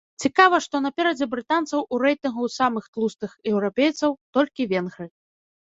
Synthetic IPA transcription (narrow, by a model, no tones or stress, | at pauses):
t͡sʲikavɐʂt̪ɔnɐpʲɛɾɐd͡zʲɛbɾɨt̪ant̪sɐwuɾɛjt̪ɨnɣusamɨxt̪lˠust̪ɨxjɛwɾɔpʲejt̪sɐwt̪ɔlʲkʲivʲɛnɣɾɨ